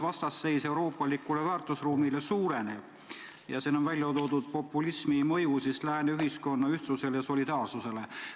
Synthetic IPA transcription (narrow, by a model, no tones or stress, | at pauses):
vɑst̪ɑsːe̞jse̞uwɾo̞ːpːˑɑlikːˑule̞væːrt̪ːˑusruːmile̞suːɾe̞neb̥ | jɑ̰siːnovælʲjɑot̪o̞ːd̪ud̪̥̚po̞pːˑulismimɤjusislæːneyɦisko̞nːɑyht̪suse̞lejɑso̞lid̪̥ɑːrsuse̞le